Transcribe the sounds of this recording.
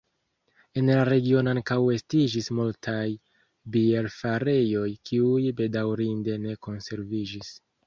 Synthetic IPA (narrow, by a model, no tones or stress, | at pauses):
e̞nlaɾe̞ɡio̞noankawe̞stid͡ʒismultʰaj | bie̞ɾfaɾe̞jo̞jkiujbe̞dawɾinde̞ne̞ko̞nse̞ɾvid͡ʒis